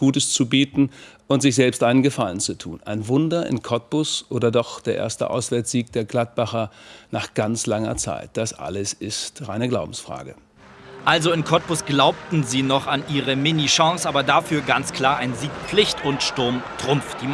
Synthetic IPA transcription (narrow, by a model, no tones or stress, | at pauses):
ɡ̥uːtəst͡subiːtn̩ | ʊntz̥ɪçz̥ɛlpstʔaɪnənɡəfalənt͡sutʰṵːnʔa̰ɪnvʊndɐʔɪ̰nkʰɔt̚pʊsʔoːdɐdɔχd̥eːɐʔḛːɐstə̰ʔa̰ʊsv̥ɛɐt͡sz̥iːk̚d̥eːɐɡlat̚b̥aχɐnaːχɡ̥ant͡slaŋɐ̰t͡sa̰ɪt̚d̥asʔa̰ləsɪstʁaɪnəɡlaʊbm̩sfʁ̥a̰ːɡə | ʔalzoɪnkʰɔt̚pʊsɡ̥laʊp̚tn̩ziːnɔχanʔiːʁəmɪniʃɑ̃ŋsʔaːbɐdafyːɐɡant͡skl̥aːɐʔaɪnziːk̚lɪçtʊntʃtʊɐmtʁ̥ʊmfd̥iː